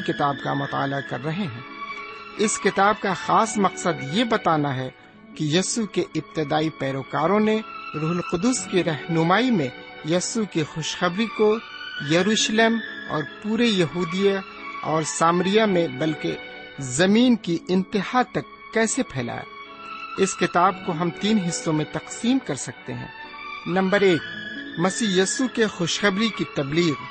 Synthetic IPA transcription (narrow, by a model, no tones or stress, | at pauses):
kɪt̪aːbka̰mʊt̪a̰ːlakɐɾːɐɦeɦɛ̃ː | ɪskɪt̪aːb̚kaxaːsmɐqsəd̪jebɐt̪aːnaɦɛ | kijɐsukeʔɪb̚t̪ɪd̪aːipɛːɾoːkaːɾõneɾuːɦəlqʊd̪ʊskiɾɐɦnʊmaːimẽjɐsukixʊʃxɐbɾiko | jɐɾuːʃleːmɔ̰ːɾpuːɾejɐɦuːd̪ija | ɔːɾsaːmɾijamẽbɐlke | zɐmiːnkiɪ̃nt̪ɪɦhat̪ɐkːɛːsepʰɛːla̰ːja̰ | ɪskɪt̪aːbkoɦɐmt̪iːnɦɪsːõmẽt̪ɐqsiːmkɐɾsɐk̚t̪ḛɦɛ̰̃ː | nɐ̃mbəɾeːkmɐsiːjɐːsukexoːʃxɐbɾikit̪ɐbliːɣ